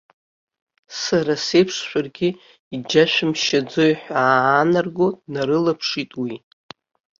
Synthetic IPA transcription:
saɾase̞jpʰʂʃʷᶣarɡʲɪ | id͡ʒaʃᶣɪmʃad͡zojħʷᶣaːnarɡotʼnaɾɨlapʰʂitʼwi

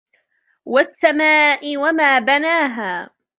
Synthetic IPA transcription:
wasːamaːʔɪwamaːbanaːɦaː

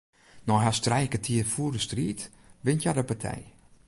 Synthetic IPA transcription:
nɔɦastrɛjkətʰiəfuərdəstriːt | ʋɪntjadəpatʰɛ̰j

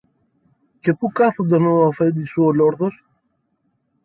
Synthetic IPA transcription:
ce̞pukɐθond̪emeoɐfed̪isuoloɾðos

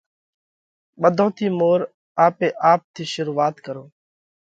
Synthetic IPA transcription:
ɓəd̪ʱõːt̪ʰiːmoːɾ | aːpeːʔaːp̚t̪ʰiːʃʊɾuːaːt̪kəɾoː

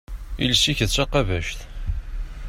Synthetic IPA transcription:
ilsiçðt͡sːɑqævæʃθ

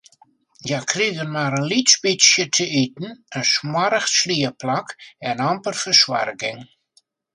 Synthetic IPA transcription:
jakʰriɡənmaɾənlitsbisjətʰəitn̩ənsmwaɾəxsliəplakɛnɑmpərfərswa̰rɡɪŋ

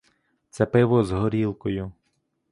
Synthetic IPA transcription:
t̪sɛpɪʋɔzɦɔɾʲilˠkɔjʊ

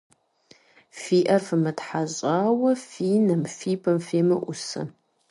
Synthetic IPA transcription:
fiːʔɐrfɨmɨtħaɕʼaːwɐfiːnɐmfiːpʰɐmfeːmɨ̰ʔʷʊsɐ̰

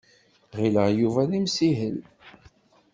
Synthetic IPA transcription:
ʁiləʁjuvænimsiɦəl

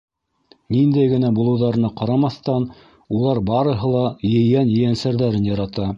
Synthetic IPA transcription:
nind̪æjɡɘ̆næbulˠɤ̆wðɑɾɤ̆nɤqɑɾɑmɑθt̪ɑn | ulˠɑɾbɑɾɤ̆ɦɤ̆lˠɑjɘ̆jænjɘ̆jænsæɾðæɾɘnjɑɾɑt̪ɑ

